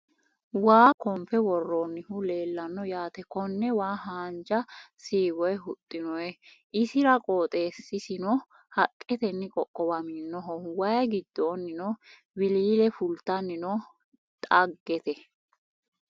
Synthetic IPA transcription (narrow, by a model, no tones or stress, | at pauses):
waːkɔmfɛwɔrːɔːnːɪhʊle̞ːlːɐnːɔjaːt̪ɛkɔnːɛwaːɦaːnd͡ʒɐsiːwɔjɛɦʊt̪ʼːɪnɔjɛ | ʔɪsɪɾɐkʼoːt̪ʼe̞ːsːɪsɪnɔ | hɐkʼːɛt̪ɛnːɪkʼɔkʼːɔbɐmiːnːɔɦɔwɐjɡɪd̪ːoːnːɪnɔ | wɪliːlɛfʊlt̪ɐnːɪnɔ | t̪ʼɐɡːɛt̪ɛ